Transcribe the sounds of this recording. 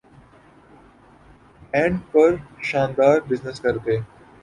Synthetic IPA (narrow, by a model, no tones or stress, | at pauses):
ɛ̃ːɳɖpɐɾʃãːnd̪aːɾbɪznɪskɐɾt̪eː